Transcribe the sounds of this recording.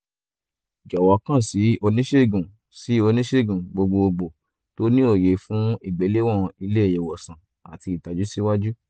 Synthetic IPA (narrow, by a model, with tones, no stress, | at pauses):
d͡ʒɔ˨wɔ˨˦kã˦˨si˨˦o˧nĩ˦ʃe˦˨ɡũ˨ | si˨˦o˧nĩ˦ʃe˦˨ɡũ˨ɡ͡bo˧ɡ͡bo˧o˧ɡ͡bo˨ | to˦nĩ˦o˦˨je˨fũ˦i˦˨ɡ͡be˨˦le˦w̃ɔ̃˦˨i˧le˦e˦˨jɛ˨wɔ˨sã˨ | a˨ti˧˨ta˨d͡ʒu˨˦si˦wa˦d͡ʒu˦